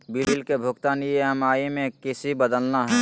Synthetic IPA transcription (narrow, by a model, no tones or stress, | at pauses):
biɾilkebʱʊɡt̪aːnjeɦəmaːimẽkɪsibəd̪əlnaɦɛ